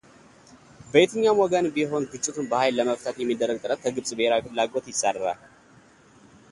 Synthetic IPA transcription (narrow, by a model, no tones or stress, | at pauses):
bəet̪ʰɨɲːamɔɡənbiɦo̞nɡɨt͡ʃʼːɪt̪ʰunbəhajlːəməft̪ʰət̪jɛmːid̪ːərːəɡ̚t̪ʼɨɾət̪̚kʰəɡɨβsʼbəheɾafɨllaɡo̞t̪jɪsːərːa̰l